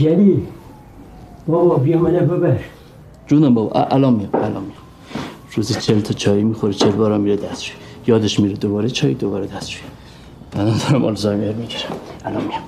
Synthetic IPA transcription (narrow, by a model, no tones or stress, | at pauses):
d͡ʒæli | bɒbɒbijemænebebæʃ | d͡ʒuːnæmbɒːbɒ̰ʔʔælɒːmːijæmælɒ̰ːmːijɛm | ɾuzit͡ʃʰelt̪ʰɒt͡ʃʰɒːimixoɾet͡ʃʰeɾbɒːɾɒmiɾed̪æst̪ɾu̥i | jɒːd̪eʃmiːɾed̪obɒːɾet͡ʃʰɒːjid̪obɒːɾed̪æsɾuji | mænænd̪ɒɾæmʔɒ̰ːlzɒjmeɾmiɡiɾæmælɒːmːijæm